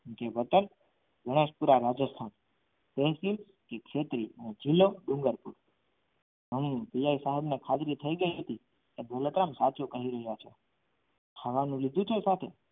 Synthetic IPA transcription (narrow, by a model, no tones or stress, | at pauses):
keʋət̪ən | ɡə̃eʃpuɾaɾad͡ʒəst̪ʰan | t̪eɦsil | kekʃet̪ɾiəned͡ʒilːoɖũŋɡəɾpuɾ | ɦəmpijaisaɦəbnekʰat̪ɾit̪ʰəiɡəiɦət̪i | keb̪ʱələt̪ɾamsat͡ʃukəɦiɾəɦjat͡ʃʰe | aʋanũlid̪ʱũt͡ʃʰesat̪ʰḛ